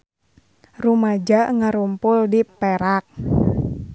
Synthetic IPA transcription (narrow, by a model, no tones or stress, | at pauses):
rumad͡ʒaʔŋaɾumpʊldipeɾak̚